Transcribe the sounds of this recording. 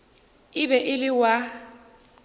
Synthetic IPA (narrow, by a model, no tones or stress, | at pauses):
ɪbɛʔɪlɪwa